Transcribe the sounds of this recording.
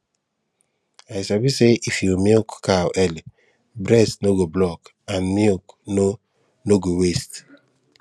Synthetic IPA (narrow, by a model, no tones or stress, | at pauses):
ajsabiseʔifjomiokkawʔɛli | bɾɛsnoɡoblɔk | ãnmiokno | noɡowest